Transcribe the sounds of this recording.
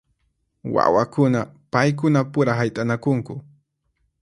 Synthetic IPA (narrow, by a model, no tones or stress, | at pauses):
wa̰wakʊnapajk̬ʊnapʊɾaɦajt̪ʼanakʊŋkʊ